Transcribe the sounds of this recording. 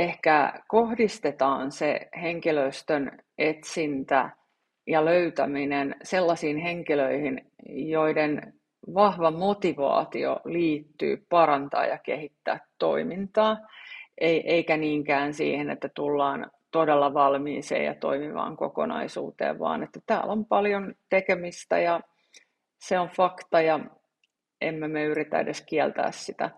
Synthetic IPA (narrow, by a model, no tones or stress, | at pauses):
ehkækohdist̪et̪ɑːnseheŋkiløist̪ønet̪sint̪æ̰ | jɑløyt̪æminenselːɑsiːnheŋkiløihin | joiden | ʋɑhʋɑmot̪iʋɑ̰ːt̪io̰liːt̪ːy̰ːpɑɾɑnt̪ɑ̰ːjɑkḛhit̪ːæ̰ːt̪ːo̰imint̪ɑːʔeiʔeikæniːŋkæːnsḭːhenḛt̪ːæt̪ulːɑːn | t̪odelːɑʋɑlmiːsḛːjɑ̰t̪o̰imiʋɑ̰ːŋkokonɑ̰isṵːt̪ḛːʋʋɑ̰ːnet̪ːæt̪æːlompɑljont̪ekemist̪æ̰jɑ | seoɱfɑkt̪ɑjɑ | ʔemːemeyrit̪æ̰edeskiɛlt̪æ̰ːssit̪æ̰